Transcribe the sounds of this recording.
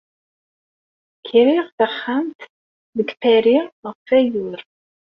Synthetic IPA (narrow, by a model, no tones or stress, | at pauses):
kʰiɾiʁθəχːæmt̪ | ðəɡfæɾiʁʁfæjʊɾ